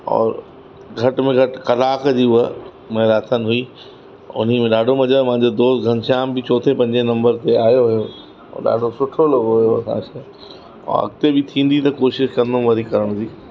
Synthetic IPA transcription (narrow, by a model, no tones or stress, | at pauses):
ɔ̰ːɾ | ɡʱɐʈmẽɡʱɐʈkɐlaːkd͡ʑiʊə | mɐ̃ɦɾaːt̪ʰənɦʊi | ʊ̰n̤imẽɗaːɖʱomɐd͡ʑamɐɦɪ̃ɲd͡ʑod̪oːst̪ɡʱɐ̃nʃaːmbɪt͡ɕɔːt̪ʰepɐ̃ɲd͡ʑenɐ̃mbəɾt̪eaːjoɦʊjo | ɔ̰ːɗa̰ːɖʱosʊʈʰolɐɡoɦʊjoɐ̰sã̰kʰe | ɔ̰ɐ̰ɡt̪ebɪt̪ʰĩːn̆d̪it̪ɐkoːʃɪʃkɐ̃nd̪õʋɐɾikɐɾəɽ̃d͡ʑiː